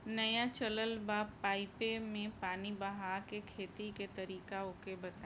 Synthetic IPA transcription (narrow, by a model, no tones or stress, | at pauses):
nɐjat͡ʃələlbapːaːɪpemẽpaːnibɐɦaːkekʰeːt̪iket̪ɐɾiːkaokebɐt̪a